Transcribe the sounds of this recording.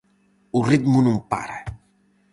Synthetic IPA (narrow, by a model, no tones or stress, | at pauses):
ʊrit̪munɐ̃mpa̰ɾɐ